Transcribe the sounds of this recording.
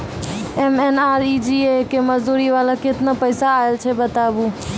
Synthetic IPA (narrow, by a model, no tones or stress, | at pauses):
emenaːɾid͡ʒiekeməzd̪uːɾiʋaːlaket̪napəɪsaːelt͡ʃʰebət̪abu